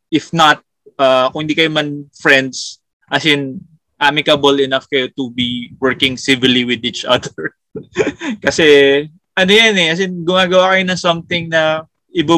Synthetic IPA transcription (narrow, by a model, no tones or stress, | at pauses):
ʔɪfnɐt̪̚ | ʔakʊ̃ŋhɪnd̪ikɐjomɐnfɹɛnd̪s | ʔɐsɪn | ʔamɪkɐbəlɪnɐfkɐjot̪ʊbiwɛɹkɪŋsɪvɪliwɪd̪it͡ʃʔɐ̰d̪ɛɹ | kɐsɛ | ʔɐnojanɛʔɐs̬ɪnɡʊmaːɡɐwakɐjonɐŋsɐmt̪ɪŋnɐ | ʔɪba